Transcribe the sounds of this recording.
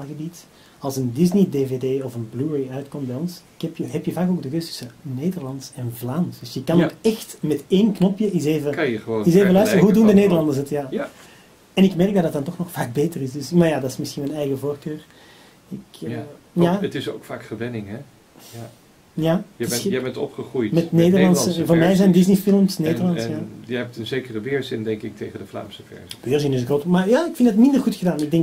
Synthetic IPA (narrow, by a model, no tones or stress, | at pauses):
lɣəbit | ɑlˠsəndɪznideːveːdeːɔfənbluɹejœɥtkɔmt̚bɛjɔnsɪkɛpjəɦɛpjəvaːkoːɡ̚dəkøstʏ̥səneːdərlɑntsɛnvlaːnsd̥ʏsjəkɑnoːkɛxtmɛteːnknɔpjəʔɪseːvəkəχəʋoːtɪseːvəlœɥsttərəəɦuduːndəneːdərlɑndərsətjaː | ɛnɪkmɛrk̚dɑdɑtdɑntɔxnɔxfaːk̚beːtərɪsdʏsmaːɹjaːdɑtɪsmɪsxinmɛnɛjɣəvoːrkøːr | ɪk | jaətɪsoːkfaːkχəʋɛnɪŋɛ | jaːɪbɛntɔ̰pχəχrujtmɛtneːdəɹlɑnsəvoːɹmɛjzɛjndɪznifɪlˠmsneːdərlɑnsjajəɛp̚tənzeːkərəʋɪːɹzɪndɛŋkɪk̚tejχədəfla̰ːmsəfɛ̰ɹzibøːɹzɪnɪsɣroːtmarjaːɪkfɪndətmɪndərɣutxədaːnɪɡ̚dɛŋk